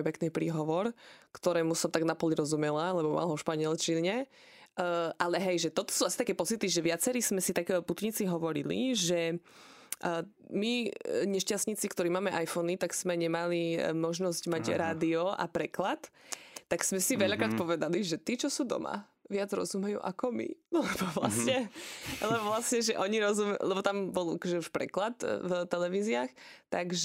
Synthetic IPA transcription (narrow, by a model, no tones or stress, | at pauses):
jpɛkniːpɾiːɦɔʋɔɾkt̪ɔɾɛːmusɔmt̪aɡnapɔliɾɔzumɛlalɛbɔma̰lɦɔfʃpaɲɪɛlt͡ʃiɲɛ | ʔalɛɦɛjʒɛt̪ɔt̪ɔ̥suːasi̥t̪akɛːpɔt͡sit̪iʒɛʋɪat͡sɛɾiːsmɛsit̪akɛput̪ɲit͡siɦɔʋɔɾḭlḭʒɛ | miɲɛʃcastɲit͡sikt̪ɔɾiːmaːmɛʔajfɔnit̪aɡsmɛɲɛmalimɔʒnɔzcmaɟɾaːd̪iɔa̰pɾɛklat̪ːaɡsmɛsiʋɛʎakɾaːt̪̚pɔʋɛd̪aliʒɛt̪iːt͡ʃɔsuːd̪ɔ̰ma̰ | ʋɪad͡zɾɔ̰zumɛjṵːʔa̰kɔmḭlɛbɔʋla̰sɲɛlɛbɔʋlasɲɛʒɛʔɔɲiɾɔzumɛlɛbɔt̪ambɔlakɔʒɛuʃpɾɛ̰klat̪vt̪ɛlɛʋiːziaxt̪aɡʒ